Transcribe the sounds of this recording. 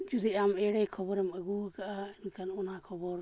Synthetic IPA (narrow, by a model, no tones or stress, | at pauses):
d͡ʒud̪ɛamɛɽɛkʰɔbɔɾɛməɡukaʔainkanɔnakʰɔbɔɾ